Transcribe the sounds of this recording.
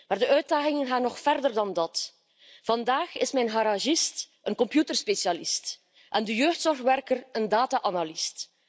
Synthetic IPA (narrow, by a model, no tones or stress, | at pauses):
maːrdəʔœɥt̚daːɣɪŋənɣaːnːɔxfɛrdərdɑndɑt | v̥ɑndaːxɪsmɛjnɦaɾaʒɪst | ənkɔmpjutərspeʃjalist | ʔɛndəjøːxtsɔrxʋɛrkərəndaːtaʔanalist